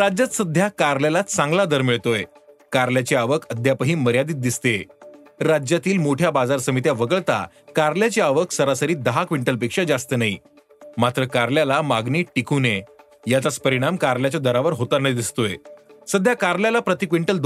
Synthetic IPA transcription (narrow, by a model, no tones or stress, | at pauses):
ɾad͡ʑat͡s̪səd̪ʱjakaɾljalat͡sãŋɡlad̪əɾmiɭt̪oje | kaɾljat͡ɕiaʋəkʰəd̪ʱjapəɦiːməɾjad̪iːt̪̚d̪ist̪e | ɾad͡ʑjat̪iːlmoʈʰjabad͡zaɾsəmit̪jaʋəɡəɭt̪a̰ | kaɾljat͡ɕeaʋəksəɾasəɾiːd̪əɦakʋiɳʈəlpekʂad͡ʑast̪ənaɦḭ | mat̪ɾəkaɾljalamaɡniːʈikʰune | jat͡sat͡spəɾiɽ̃amkaɾljat͡ɕad̪əɾaʋəɾɦot̪aɾnaid̪ist̪oesəd̪ʱjakaɾljalapɾət̪ikʋiɳʈəld̪